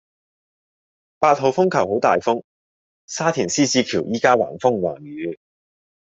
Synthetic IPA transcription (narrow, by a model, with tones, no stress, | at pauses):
paː˧t̚ho˨wfʊ˥ŋkʰɐ˨˩who˨˥wt̪aː˨jfʊ˥ŋ | saː˥t̪ʰiː˨˩nsiː˥t͡siː˧kʰiː˨˩wjiː˥kaː˥wa̰ː˨˩nfʊ˥ŋwa̰ː˨˩njyː˨˧